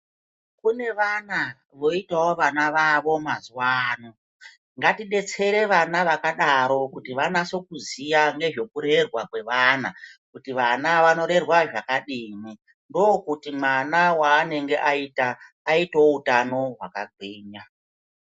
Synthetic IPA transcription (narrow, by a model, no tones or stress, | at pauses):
kune̞ʋana | ʋo̞itawoʋanaʋaʋo̞mazuwaːno | ŋɡatiɗe̞t͡se̞ɾe̞ʋanaʋakaɗaɾo̞kutiʋanaso̞kuzijaŋɡe̞ʐo̞kuɾe̞rwakwe̞ʋaːnakutiʋanaʋano̞ɾe̞rwaʐakaɗiːmi | ndoːkutimanawaːne̞ŋɡe̞ʔaitaː | iteoutano̞ɦwa̰kaɡʱiːɲa